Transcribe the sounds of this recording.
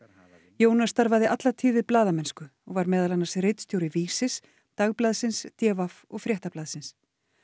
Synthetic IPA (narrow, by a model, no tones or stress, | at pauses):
joːwnast̪aɾvaðɪʔat̪lat̪ʰiːvɪðplaːðamɛnskʏɔɣvaɾmɛːðalanːaɾsrɪjt̪st̪jowɾɪviːsɪs | t̪aɣplaːðsɪnst̪jɛːvafɔɣfɾjɛht̪aplaːðsɪns